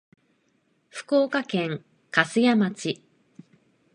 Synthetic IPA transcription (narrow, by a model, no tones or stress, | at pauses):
ɸɯ̟̥koːkakẽ̞ŋ | kasɨjamat͡ɕi